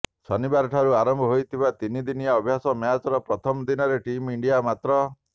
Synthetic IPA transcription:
sɔnibaɾɔʈʰaɾuaɾɔmbʱɔɦojt̪ʰibat̪inid̪inijaɔbʱjasɔmjat͡ʃɔɾɔpɾɔt̪ʰɔmɔd̪inɔɾeʈimiɳɖijamat̪ɾɔ

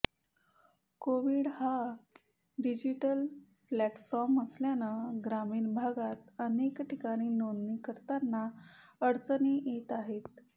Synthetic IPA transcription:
koʋiːɽha | ɖid͡ʑiʈəl | plæʈfɔɾməsljanəɡɾamiːɳbʱaɡat̪ənekʈikaɽ̃iːnonnikəɾt̪anːaəɽt͡səniːjet̪aɦet̪̚

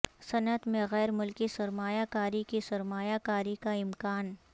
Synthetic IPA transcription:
sɐnət̪mẽɣɛːɾmʊlkisɐɾmaːjakaːɾikisɐɾmaːjakaːɾikaɪmkaːn

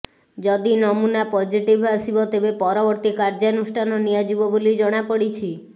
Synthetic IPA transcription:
d͡ʒɔd̪inɔmunapɔd͡ʒiʈibʱasibɔt̪ebepɔɾɔbɔɾt̪ikaɾd͡ʒanusʈʰanɔnijad͡ʒibɔbolid͡ʒɔɽ̃apəɽit͡ʃʰi

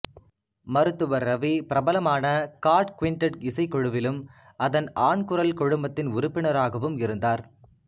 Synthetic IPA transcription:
mɐɾɯt̪ːɯʋɐɾːɐʋipɪɾɐbɐlɐmaːnɐkaːɾʈkʋɪɳʈɐʈɪsɐɪkːɔɻɯʋɪlɯm | ɐðɐnaːɳkɯɾɐlkɔɻɯmbɐt̪ːɪnʊɾʊpːɪɳɐɾaːɣɐʋɯmɪɾɯnd̪aːɾ

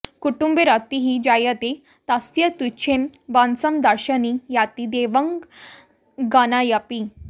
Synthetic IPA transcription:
kuʈumbeɾat̪iɦid͡ʑajət̪e | t̪asjət̪ut͡ɕʰẽmbansəmd̪əɾɕənijat̪id̪eʋəŋɡ | ɡanajapi

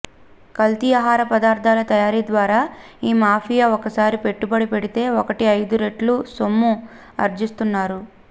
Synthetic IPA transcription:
kɐlt̪iaɦaːɾɐpɐd̪aːɾt̪ʰaːlɐt̪ɐjaːɾiːd̪ʋaːɾaːiːmaːpʰijaːɔkɐsaːɾipe̞ʈːubɐɽipe̞ɽit̪e̞ːɔkɐʈiɐjd̪uɾe̞ʈlusomːu | ɐ̰ɾd͡ʒist̪unːaːɾu

